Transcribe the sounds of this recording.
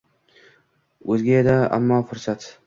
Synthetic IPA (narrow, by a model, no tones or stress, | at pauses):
ɵzɡʲaed̪aa̰mːɒfʊɾsat̪